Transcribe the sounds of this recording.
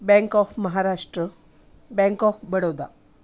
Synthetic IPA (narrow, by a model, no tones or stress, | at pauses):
bɛ̃ŋkɔfməɦaɾaʂʈɾə | bɛ̃ŋkɔfbəɽod̪a̰